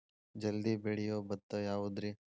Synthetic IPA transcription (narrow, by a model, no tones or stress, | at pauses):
d͡ʒɐld̪ibeɽijoːbɐt̪ːɐjaːʋud̪ɾi